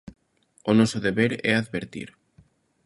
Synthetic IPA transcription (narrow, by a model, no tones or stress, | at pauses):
onɔsʊðeβeɾɛ̰aðβeɾt̪ḭɾ